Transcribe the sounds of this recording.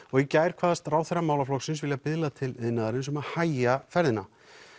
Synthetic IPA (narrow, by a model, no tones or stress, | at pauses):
ɔɣjɛcaːjɾ̥kʰvaːðast̪raːwθɛrːamaːwlaflɔksɪnsvɪljapɪðlat̪ʰɪlɪðnaðaɾɪnsɛmahaːjafɛɾðɪna